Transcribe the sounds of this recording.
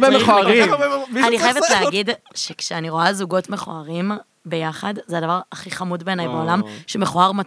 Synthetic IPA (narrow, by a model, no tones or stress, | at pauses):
bemeχoaʁianiχajevetleaɡidʃekʃeaniʁo̞azuɡo̞tme̞χo̰aʁim | be̞jaχadzeadavaʁaχiχamudbe̞ːnajbeolamʃeme̞χoaʁma